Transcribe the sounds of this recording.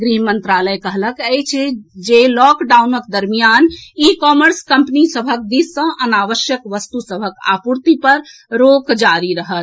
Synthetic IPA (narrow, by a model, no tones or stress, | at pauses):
ɡɾiɦmənt̪ɾaləjkəɦləkəjt͡ʃʰɛd͡ʒelɔkɖaunəkd̪əɾmijanikɔməɾskəmpnisəbʱək̚d̪isːə̃ʔənaʋəʃjəkʋəst̪usəbʱəka̰puɾt̪ipəɾɾokd͡ʒaɾiɾəɦət̪